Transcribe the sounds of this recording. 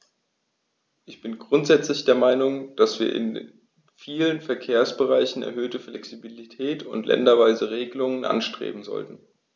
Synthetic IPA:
ʔɪçb̥ɪnɡʁʊntz̥ɛt͡slɪçd̥eːɐmaɪnʊŋd̥asv̥iːɐʔɪ̰n | fiːlənfɛɐkʰeːɐsb̥əʁaɪçn̩ɛ̰ɐɦøːtəflɛksibilitʰɛːtʊntlʔɛ̰ndɐvaɪzəʁeːɡəlʊŋənʔa̰nʃtʁ̥ḛːbm̩zɔ̰ltn̩

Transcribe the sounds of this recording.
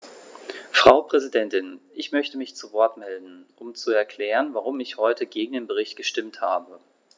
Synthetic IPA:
fʁ̥aʊpʁ̥ɛzidɛntɪnʔɪçmœçtəmɪçt͡suvɔɐtmɛldn̩ʔʊmt͡suɛɐkʰl̥ɛːʁənvaʁ̞ʊmɪçhɔʏtəɡeːɡŋ̩deːnbəʁ̞ɪçt̚ɡ̥əʃtɪmtha̰ːbə

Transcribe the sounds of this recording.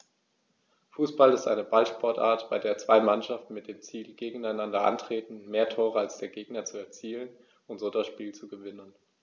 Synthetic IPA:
fuːsb̥alɪstʔa̰ɪnəbalʃpɔɐtʔa̰ɐtb̥aɪdeːɐt͡sv̥aɪmanʃaftn̩mɪt̚d̥eːmt͡siːlɡ̥eːɡŋ̩aɪnandɐʔa̰ntʁ̥eːtn̩meːɐtʰoːʁ̞əalsd̥eːɐɡeːɡnɐt͡suɛɐt͡siːlən | ʊntz̥oːdasʃpiːlt͡suɡəvɪnən

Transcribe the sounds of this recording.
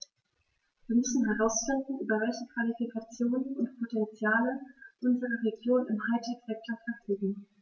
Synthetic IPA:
viːɐmʏsn̩ɦɛʁaʊsfɪndn̩ʔyːbɐvɛlçəkv̥alifikʰat͡sjoːnənʊntpʰotʰɛnt͡sjaːləʔʊnzəʁəʁeɡjoːnɪmhaɪtʰɪɡz̥ɛk̚tɐfɛɐfyːɡŋ̩

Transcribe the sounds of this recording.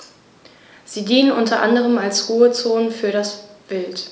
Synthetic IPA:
z̥iːdiːnənʔʊntɐʔa̰ndəʁ̞əmalsʁuːət͡soːnfyːɐɾasb̥ɪlt

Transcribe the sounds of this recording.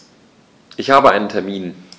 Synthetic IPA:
ʔɪçhaːbəʔaɪnəntʰɛɐmiːn

